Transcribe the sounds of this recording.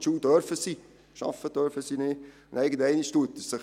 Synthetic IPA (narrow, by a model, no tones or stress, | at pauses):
t͡ʃuːd̥œɾfəsi | ʃɑ̰fəd̥œɾfəsineː | nɛɪɡəntɛɪniʃtuətːəssə